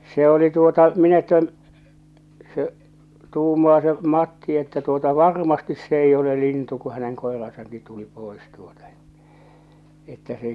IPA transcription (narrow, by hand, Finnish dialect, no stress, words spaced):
se oli tuotɑ min etːæ se tuːmɑː se mɑtːi etːæ tuotɑ ʋɑrmɑstis s eij ole lintu ku hæneŋ koerɑsɑŋki tuli poˑes tuotɑ e̥tːæ̥ etːæ se